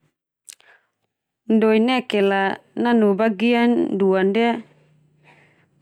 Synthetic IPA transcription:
ndoinɛkɛlananubaɡianduanda

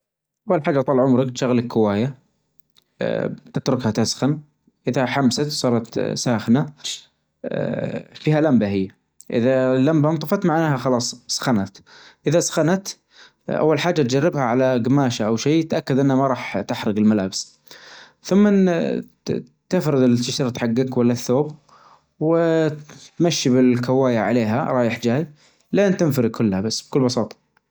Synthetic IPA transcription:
ʔawːalħaːd͡ʒːat̪ˤɑlʕʊmɾɪkt̪ʃaɣlakkːʊwaːja | t̪ɪt̪ɾʊkhat̪asxan | ʔɪðaħamsat̪sˤɑːɾˤɑt̪saːxna | fiːhalambahɪjːa | ʔɪ̰ðalambant̪ˤɑfɑt̪maʕnaːhaxɑlɑːsˤsḁxanat̪ʔɪðasḁxanat̪ | ʔa̰wːalħaːd͡ʒːat̪̚d͡ʒarːɪbhaʕalaɡamaːʃaʔawʃeːt̪ʔakːad̪ʔɪnːhamaɾˤɑːħt̪ɪħɾˤɪɡɪlmalaːbɪs | θʊmːa | t̪ɪfɾɪd̪ɪlt̪ːɪʃɑɾˤt̪ħaɡːɪkwalːaθːoːb | wɪt̪maʃːibɪlkawaːjaʕa̰leːɦaɾˤɑːjɪħd͡ʒaːj | leːnt̪ɪnfaɾɪɡ̚kʰʊlːhabasːb̥̚kʊlːbɑsˤɑːt̪ˤɑ̥

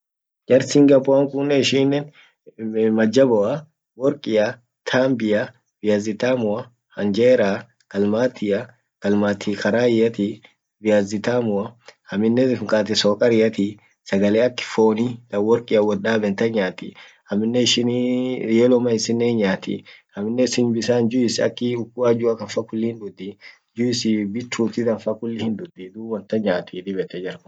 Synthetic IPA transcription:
d͡ʒɐɾsiŋɡɐbɔɐŋkʊnːɛɪʃinːɛn | mɐd͡ʒːɐbɔʔɐ | wɔɾkʼɪjɐ | t̪ʰaːmbɪja | b̥ɪjazɪt̪aːmʊɐ | hɐnd͡ʒeːɾaː | kɐlmaːt̪ːɪjɐ | kɐlmaːt̪ʰiːkɐɾaːɪjɐt̪i | bɪjaːzɪt̪aːmʊɐhɐmːɪnːɛɪŋkʼaːt̪ɪsɔːkʼɐɾɪjɐt̪i | sɐɡɐleːɐkːɪ̥foːnid̪ɐwɔɾkʼɪɐwɔaːbɛnt̪ɐɲaːt̪ḭ | ɐmːɪnːɛɪʃɪnijeːlɔmɐɪsɪnːeːɲaːt̪ḭhɐmːɪnːɛsɪnbɪsaːnd͡ʒʊɪsɐ̰kːɪʊkːʊaːd͡ʒʊɐkɐnfɐkʊlːɪɪnd̪ʊd̪i | d͡ʒʊɪsɪbɪt̪ɾuːt̪ɪd̪ɐnfɐkʊlːɪhɪnd̪ʊd̪id̪uːwɐnt̪ɐɲaːt̪ʰiːd̪ɪbɛt̪ɛd͡ʒɐɾk

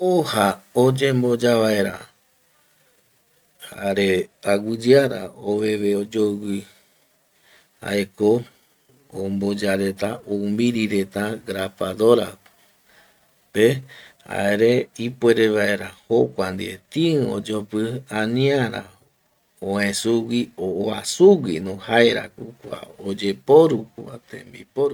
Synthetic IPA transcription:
ohaod͡ʒembo̞d͡ʒaβae̞ɾa̰ | haɾe̞aɡɨd͡ʒɨaɾa̰oβe̞βeod͡ʒowɨ | a̰eko | ombod͡ʒaɾe̞t̪aoumbiɾiɾet̪aɡɾafad̪oɾa̰ | pea̰eɾe̞ipweɾeβaeɾahokʷand̪iet̪ĩo̰d͡ʒopɨãnĩaɾa̰ | õẽsuwioasuɡinõhaeɾa̰kukʷa̰od͡ʒe̞poɾukuat̪ḛ̃mbḭpoɾu

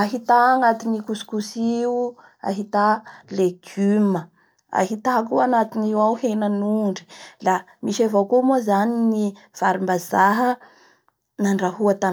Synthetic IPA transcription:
aɦit̪aːŋat̪inikuskusiu | a̰ɦit̪aleɡ̥ymə | a̰ɦit̪akuanat̪iniwawhenənuɳɖ͡ʐi̥lamiʃavakumuzanini | v̥aɾimbazaɦə | naɳɖ͡ʐaɦuat̪a

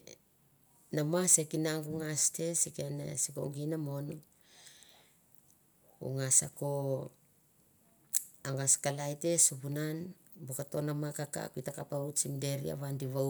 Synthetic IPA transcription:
namasekinaŋɡuŋaste̞sikenḛsiko̰ŋɡinamon | ṵŋasako | aŋaskalajte̞supunan | bokato̞namakaka̰kuitakapaut͡ʃimde̞ɾḭa̰βandiβa

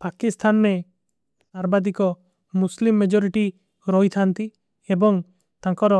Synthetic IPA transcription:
pakist̪ʰanɾe | saɾbad̪ikɔ | muslimːed͡ʒɔɾiʈi | ɾɔjt̪ʰant̪i | ebɔŋ | t̪ãkɔɾɔ

